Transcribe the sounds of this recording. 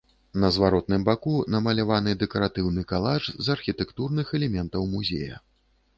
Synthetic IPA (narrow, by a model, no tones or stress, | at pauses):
nɐzvaɾɔt̪̚nɨmbakunɐmɐlʲavanɨd̪ɛkɐɾat̪ɨwnɨkalˠaʐzɐrxʲit̪ɛkt̪urnɨxɛlʲɛmʲɛnt̪ɐwmuzʲḛjɐ̰